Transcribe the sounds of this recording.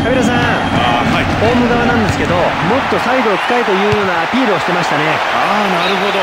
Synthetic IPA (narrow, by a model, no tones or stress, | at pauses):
kabʲiɾas̬ã | ho̞ːmɯɡaβanãnd̪e̞sɨ̥ke̞d̪o̞ | mo̞t̪ːo̞said̪o̞ki̥kːait̪o̞jɯ̟ːjo̞ːnaːpʲiːɾɯoɕi̥t̪e̞maɕi̥t̪ane̞ | a | naɾɯ̟ɦod̪o